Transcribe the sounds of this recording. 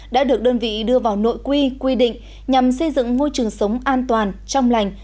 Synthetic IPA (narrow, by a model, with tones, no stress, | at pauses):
ɗa̰ː˧˥ɗɨ˨˩ək̚ɗəː˧nvḭ˧˨ɗɨ˧əvaː˨˩wno̰˧˨jkwi˧kwi˧ɗḭ̈˧˨ŋ̟ | ɲa˨˩msə˧jzɨ̰˧˨ŋmo˧jt͡ɕɨ˨˩əŋsə˨˦wŋ͡mʔaː˧nt̪waː˨˩nt͡ɕɔ˧wŋ͡mla˨˩jŋ̟